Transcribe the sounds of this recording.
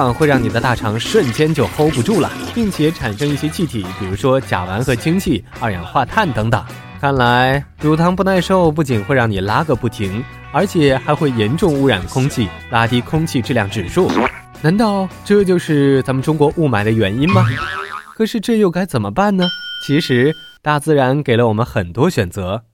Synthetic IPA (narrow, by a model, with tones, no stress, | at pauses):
ŋxwe˥˧ɪɻɑ˥˩ŋni˨˩d̪ə˦t̪a˥˩ʈ͡ʂʰɑ˧˥ŋʂwə˥˩nt͡ɕjɛ˥nt͡ɕjo˥˩ʊxo˥ʊpu˧ʈ͡ʂu˥˩lə̰˩pi˥˩ŋt͡ɕʰjɛ˧˥ʈ͡ʂʰa˨˩nʂɤ˥ŋi˥˩ɕjɛ˥t͡ɕʰi˥˩t̪ʰi˨˩˥pi˨˩ɻu˧˥ʂwɔ˥t͡ɕja̰˨˩wa̰˧˥nxɤ˧˥t͡ɕʰi˥ŋt͡ɕʰi˥˩ | a˥˧jɑ̰˨˩ŋd̪ə˦xwa˥˧t̪ʰa˥˩nt̪ɤ˧˥ŋt̪ɤ̰˨˩˦ŋ | kʰa˥˩nla˧˥ɪlu˧˥t̪ʰɑ˧˥ŋpu˥˧na˥˧ɪʂo˥˧ʊp̬u˥˩t͡ɕi˨˩nxwe˥˧ɪɻɑ˥˩ŋni˨˩la˥ɡə˧pu˥˩t̪ʰi˧˥ŋ | ə˞˧˥t͡ɕʰjɛ˨˩˦xa˧˥ɪxwe˥˩ɪjɛ˧˥nʈ͡ʂʊ˥˧ŋu˥ɻa˨˩nd̪ə˦˩kʰʊ˥ŋt͡ɕʰi˥˩ | la˥t̪i˥kʰʊ˥ŋt͡ɕʰi˥˧ʈ͡ʂ̩˥˧ljɑ˥˩ŋʈ͡ʂɻ̩˨˩ʂu˥˩ | na˧˥nt̪ɑ˥˩˧ʊʈ͡ʂɤ˥˧t͡ɕjo˥˧ʊʂɻ̩˥˩t͡sa˧˥mə˨nʈ͡ʂʊ˥ŋkwɔ˧˥ʔu˥˩ma˨˩ɪd̪ə˦ɥɛ˨˥ni˥nmɐ˨˩kʰɤ˨˩ʂɻ̩˥˧ʈ͡ʂɤ˥˧jo˥˩ʊka˥ɪt͡sə˨˩mə̰˦pa˥˩nnə˩t͡ɕʰi˧˥ʂɻ̩˧˥ | t̪a˥˩t͡sɹ̩˥˩ɻa˧˥nke˨˩ɪlə˦wɔ˨˩mə˦nxə˨˩nt̪wɔ˥ɕɥɛ˨˩nt͡sɤ˧˥